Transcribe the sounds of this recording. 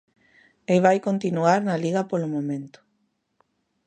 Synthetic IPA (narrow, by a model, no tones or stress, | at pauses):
eβajkont̪inuaɾnaliɣapolomõmẽnt̪ʊ̥